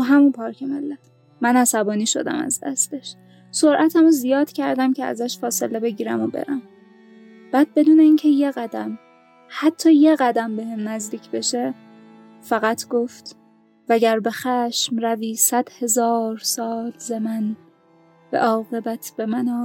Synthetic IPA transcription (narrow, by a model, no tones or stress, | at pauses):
ɒɦæmunpʰɒːɾcʰemelːæt̪ | mænæsæbɒːniːʃo̞̰d̪æ̰mæ̰zd̪æ̰st̪e̞ʃ | so̞ɾʔæt̪ʰæmozijɒːd̪̥cʰæɾd̪æmcʰeæ̰zæʃfɒːse̞le̞be̞ɟiːɾæmobḛɾæm | b̥æːd̪̥̚be̞d̪uːne̞iːncʰe̞je̞ɣæd̪æm | hæt̪ʰːɒːje̞ɣæd̪æmbe̞hemnæzd̪iːcʰbe̞ʃe̞ | fæɣæt̪ʰɡ̥o̞ft̪ | væɟæɾbe̞xæʃmɾæviːsæd̪̥he̞zɒːɾsɒːlzemæn | væ̰ʔɒːɣe̞bæt̪ʰb̥e̞mænɒː